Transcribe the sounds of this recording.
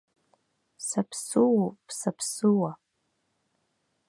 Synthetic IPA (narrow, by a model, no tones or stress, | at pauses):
sapʰsuwpsapʰsɨwa